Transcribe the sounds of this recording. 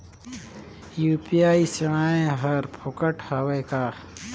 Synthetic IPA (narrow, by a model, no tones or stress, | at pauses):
juːpijaːisɐm̃aːẽɦɐɾpʰokəʈhɐwekaː